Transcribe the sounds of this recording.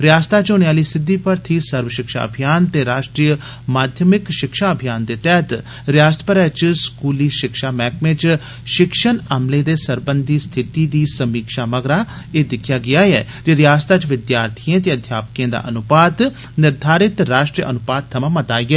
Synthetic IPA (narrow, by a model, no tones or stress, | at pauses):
ɾɪjaːst̪aːt͡ʃoneaːliːsɪd̪ːiːpəɾt̪ʰiːsəɾʋəʃɪkʃa̰ːə̰bʱijaːnt̪eːɾaːʃʈɾijə | maːd̪ʱjəmɪkʃɪkʃaːəbʱijaːnd̪eːt̪ɛːt̪ | ɾjaːst̪əpəɾɛːt͡ʃskuːliːʃɪkʃaːmɛːkmẽːt͡ʃ | ʃɪkʃənəmleːd̪eːsəɾbənd̪iːst̪ʰɪt̪iːd̪iːsəmiːkʃaːməɡɾaː | eːd̪ɪkʰːjaːɡɪaːɛ̰ː | d͡ʒeɾɪjaːst̪aːt͡ʃʋɪd̪jaːɾt̪ʰijẽːt̪̬eːəd̪ʱjaːp̚kẽːd̪a̰ːʔənʊpaːd̪ | nɪɾd̪ʱaːɾɪt̪ɾaːʃʈɾijəʔənʊpaːd̪̚t̪ʰːəmãːmət̪aːiːɛː